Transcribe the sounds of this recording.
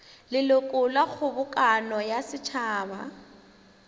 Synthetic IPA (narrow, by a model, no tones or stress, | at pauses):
lɪlʊkʼʊlwaɣʰʊbʊkʼanɔjasɪt͡ʃʰaːba̰